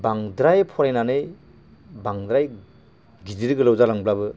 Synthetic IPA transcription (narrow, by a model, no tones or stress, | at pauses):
baŋdɾajpʰɔɾajnanɯj | baŋd̪ɾaj | ɡiziɾiɡɯlawzalaŋblabɯ